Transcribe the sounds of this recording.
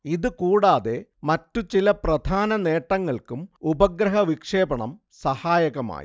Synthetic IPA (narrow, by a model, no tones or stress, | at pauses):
iðɨkuːɽaːðe̞mɐtːut͡ɕilɐprɐd̪ʱaːnɐne̞ːʈːɐŋːɐɭkumubɐɡɾɐɦɐʋikʂe̞ːbɐɳɐ̰m | sɐhaːjɐɣɐma̰ːji